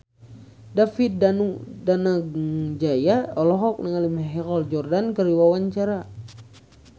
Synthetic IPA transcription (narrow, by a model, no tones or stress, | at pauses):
dafit̪̚danudanaɡŋd͡ʒajaɔlɔɦɔk̚nəŋalimɛɦɛkɔld͡ʒɔrdankəɾiwawaɲt͡ʃaɾa